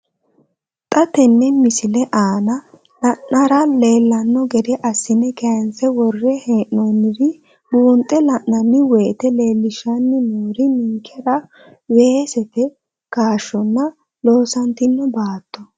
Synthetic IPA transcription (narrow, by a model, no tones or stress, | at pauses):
t̪ʼɐt̪ɛnːɛmɪsɪlɛʔaːnɐ | lɐnːɐɾɐleːlːɐnːɔɡɛd̪ɛʔɐsːɪnːɛkɐjɐnsɛwɔrːɛhɛːʔːonːɪdɪ | buːnt̪ʼːɛlɐʔɐnːɪwɛːt̪ɛle̞ːlːɪʃɐnːɪnuːɾɪniŋkʰːɛɾɐ | weːsɛt̪ɛ | kaːʃːɔnːɐ | lo̞ːsɐnt̪ɪnːɔbaːt̪ːɔ